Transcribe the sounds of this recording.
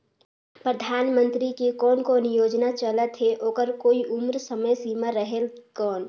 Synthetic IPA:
pɾəd̪ʱaːnmə̃nt̪ɾikekɔːnkɔːnjoːd͡ʒnat͡ʃələt̪ɦeʔoːkəɾkoːiʊmɾsəməjsiːmaɾəɦelkɔːn

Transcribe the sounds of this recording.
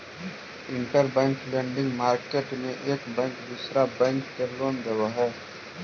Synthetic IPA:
ɪ̃ɳʈəɾbɛ̃ːŋklẽːɳɖɪ̃ŋɡmaːɾkeːʈmẽʔeːkbɛ̃ːŋkd̪uːsɾabɛ̃ːŋkːeloːnd̪eʋaɦɛː

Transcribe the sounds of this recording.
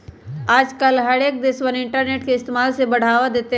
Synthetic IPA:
aːd͡ʒkəlɦɐɾeːk̚d̪ɪswənɪ̃ɳʈəɾneːʈkeɪst̪eːmaːlsebɐɽ̤aːʋad̪eːt̪e

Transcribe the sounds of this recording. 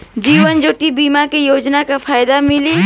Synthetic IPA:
d͡ʒiːʋənd͡ʒoːʈibiːmakejoːd͡ʒnakapʰaːjd̪amɪli

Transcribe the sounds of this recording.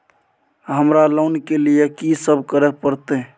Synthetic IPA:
ɦəmɾalonkelijekisəbʱkəɾɛpəɾt̪ɛ

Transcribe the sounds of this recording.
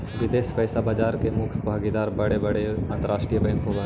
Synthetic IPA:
ʋɪd̪eːspɐjsabaːd͡ʒaːɾkemʊkʰbʱaːɡid̪aːɾbɐɽebɐɽeɐ̃nt̪əɾaːʃʈɾijəbɛ̃ŋkʰob

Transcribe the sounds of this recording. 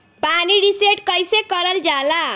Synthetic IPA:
paniɖiseʈkʌjsekʌɾʌld͡zala

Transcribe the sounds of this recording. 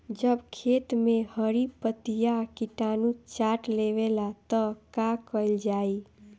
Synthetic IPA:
d͡ʒəbkʰet̪mehəɾipət̪ijakiʈanut͡ʃaʈleʋelat̪əkakəld͡ʒai

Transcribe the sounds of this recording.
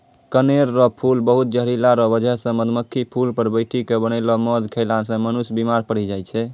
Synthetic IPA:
kəneɾːɔpʰulbəɦut̪̚d͡ʒəɦɾilaɾɔbəd͡ʒʱɛɦsə̃məd̪məkʰːipʰulpəɾbəjʈʰikebənəlɔmɔd̪kʰəlansə̃mənusbimaɾpəɽ̤id͡ʒajt͡ʃʰɛ

